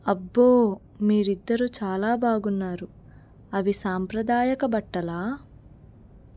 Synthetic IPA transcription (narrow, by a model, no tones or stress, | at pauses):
ɐbːoː | miːɾid̪ːɐɾut͡ʃaːlaːbaːɡunːaːɾu | ɐʋisaːmpɾɐd̪aːjɐkɐbɐʈːɐlaː